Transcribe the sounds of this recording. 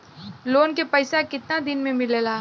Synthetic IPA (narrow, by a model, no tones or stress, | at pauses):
loːnkepɐɪsakɪt̪nad̪ɪnmẽmɪlelaː